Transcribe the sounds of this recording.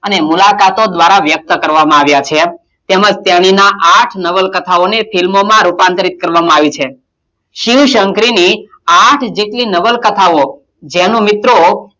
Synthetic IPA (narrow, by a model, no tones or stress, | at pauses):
ənemulakat̪od̪ʋaɾaʋjək̚t̪əkəɾʋamãaʋjat͡ʃʰe | t̪eməd͡ʒt̪jaɽ̃inaʔaʈʰnəʋəlkət̪ʰaonefilmomãɾupãnt̪ɾit̪̚kəɾʋamãaʋit͡ʃʰe | ʃiʋʃəŋkɾini | aʈʰd͡ʒeʈlinəʋəlkət̪ʰao | d͡ʒɛnũmɪt̪ɾo